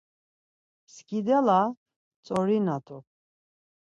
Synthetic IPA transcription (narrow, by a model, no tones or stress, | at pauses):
skʼid̪ɛla | t͡sʼɔɾinat̪ʰʼu